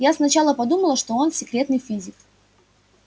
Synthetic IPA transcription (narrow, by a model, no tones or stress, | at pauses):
jasnɐt͡ɕalˠəpɐd̪uməlˠəʂt̪o̞o̞nsʲɪkɾʲe̞t̪nɨjfʲizʲɪk